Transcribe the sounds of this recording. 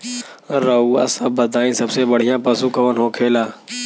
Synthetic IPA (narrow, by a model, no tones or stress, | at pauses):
ɾəua̰ːsəbbəd̪aːĩːsɐbseːbəɽ̤ɪjãːpəsũːkəʋənɦoːkʰeːlaː